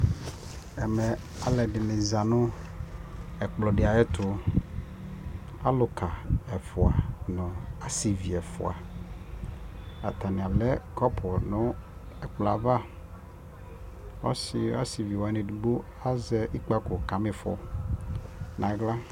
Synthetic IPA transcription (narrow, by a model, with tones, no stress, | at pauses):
ɛ˨mɛ˨ | a˨lɛ˨dɪ˨mɪ̃˨za˨nʊ̃˦ | ɛ˨k͡plɔ˨ɖɪ˨a˨ɛ˦t̪ʊ˨ | a˦lʊ˨kʰa˨ɛ˨fʊ˨a˨nʊ̃˨a˦si˨vi˨ɛ˨fʊ̰˨a̰˨ | a̰˨t̪ʰa˨nɪ̃˨a˨lɛ˦kɔ˦pʰɔ˨nʊ̃˦ | ɛ˨k͡pla˨va˦ | ɔ̰˦sɪ˦a̰˦si˨vi˨wa˨nɪ̃˨du˨bo˦ | a˦zɛ˦ʔi˦k͡pa˦kʊ˨ka˨mɪ˨fɔ̰˨ | nã˨˦ɡla˦